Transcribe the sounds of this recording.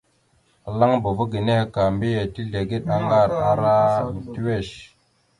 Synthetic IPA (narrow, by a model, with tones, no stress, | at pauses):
la˦ŋbo˨vo˦ɡi˨ne˦hka˨mbe˦je˨ti˦ɮe˨ɡe˦ɗa˦ŋɡa˦˨ɾa˦ɾa˦˨ti˦we˦˨ʃ